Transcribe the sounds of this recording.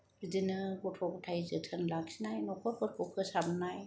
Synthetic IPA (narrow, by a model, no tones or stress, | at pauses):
ɾidinɯkɔtʰɔktʰajzɯtʰɯnlaksinajnɔkʰɔɾ̚kʰɔɾkʰɔkʰɯsabnaj